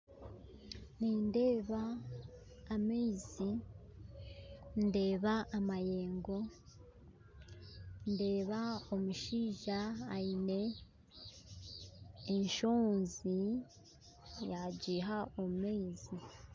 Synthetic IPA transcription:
niːnde̞ːβaː | miːzi | nde̞ːβaːmajeːŋɡo̞ | nde̞ːβaomuʃiːʒaːine̞ | ɲʃoːnzi | jaɟiɦaomumeːzi

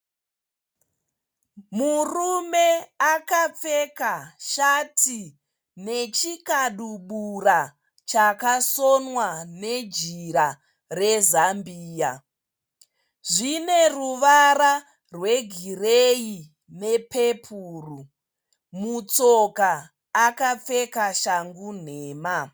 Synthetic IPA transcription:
murume̞akap͡fe̞kaʃatʰi | ne̞t͡ʃikaɗuɓura | t͡ʃakaso̞nwane̞d͡ʒiɾa | re̞zambiːja | ʐine̞ruʋara | rwe̞ɡʱirei | ne̞pepʰuːru | mut͡sokaː | kap͡fe̞kaʃaŋɡun̤eːma

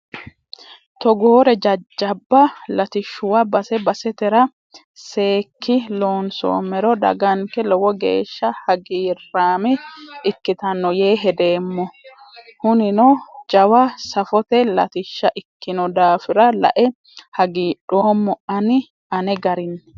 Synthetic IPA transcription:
t̪ɔɡoːɾɛd͡ʒɐd͡ʒːɐbːɐlɐt̪ɪʃʊwɐbɐsɛbɐsɛt̪ɛɾɐ | se̞ːkʰːɪlo̞ːnso̰ːmɛɾɔd̪ɐ̰ɡɐŋkɛlɔwɔɡḛːʃːɐhɐɡiːrːaːmɛʔɪkːɪt̪ɐnːɔje̞ːɦɛd̪e̞ːmːɔ | hʊnɪnɔd͡ʒɐwɐsɐfɔt̪ɛlɐ̰t̪ɪʃːɐʔɪkːɪnɔd̪aːfɪɾɐlɐ̰ʔɛ | hɐɡiːᶑoːmːɔɐnɪ | ʔɐnɛɡɐɾɪnː

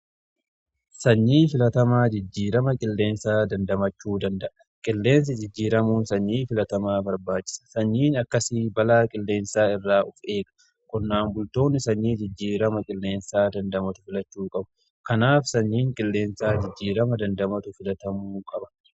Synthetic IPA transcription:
sɐɲːiːfɪlɐt̪ɐmaːd͡ʒɪd͡ʒːiːɾɐmɐkʼɪlːe̞ːnsaːd̪ɐnd̪ɐmɐt͡ʃːuːd̪ɐnd̪ɐʔɐ | kʼɪlːe̞ːns̬ɪd͡ʒɪd͡ʒːiːɾɐmuːnsɐɲːiːfɪlɐt̪ɐmaːbɐɾbaːt͡ʃːɪ̥sɐ̥sɐɲːiːnɐkːɐsibɐlaːkʼɪlːe̞ːnsaːɪrːaːʔʊfe̞ːkʼɐ̥ | kʼɔnːaːnbʊlt̪o̞ːnːɪsɐɲːiːd͡ʒɪd͡ʒːiːɾɐmɐkʼɪlːe̞ːnsaːd̪ɐnd̪ɐmɐt̪ʊfɪlɐt͡ʃːuːkʼɐbʊ̥ | kɐnaːfsɐɲːiːŋkʼɪlːe̞ːnsaːd͡ʒɪd͡ʒːiːɾɐmɐd̪ɐnd̪ɐmɐt̪ʊfɪlɐt̪ɐmuːkʼɐbɐ̥

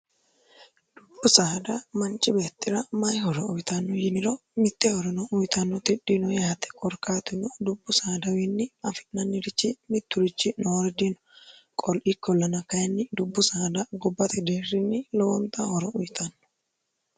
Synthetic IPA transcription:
d̪̥ʊbːʊsɐd̪ɐmɐnt͡ʃʼːɪbeːt̪ːɪɾɐmɐjɦɔɾɔʊjt̪ɐnːɔjɪnɪɾɔmɪt̪ːɛhɔɾɔnɔʔʊjt̪ɐnːɔt̪ɪɗːɪnɔjaɐt̪ɛ̥kʼɔɾkaːt̪ɪnɔd̪ʊbːʊsahd̪ɐwinːɪɐfɪ̥nɐnːɪɾɪt͡ʃːɪmɪt̪ːʊɾɪt͡ʃːɪnoːɾd̪inɔkʼɔlʔɪkːɔlːɐnɐkɐjɐnːɪd̪ʊbːʊsɐhd̪ɐɡɔbːɐt̪ɛd̪eːrːɪnːɪlɔwɔnt̪ɐhɔɾɔʔʊjt̪ɐnːɔ̥

